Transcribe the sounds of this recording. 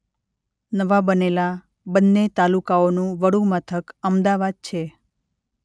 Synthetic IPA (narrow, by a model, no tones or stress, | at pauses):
nəʋabənela | bənːet̪alukaonũʋəɽũmət̪ʰəkəmd̪aʋad̪̚t͡ʃʰe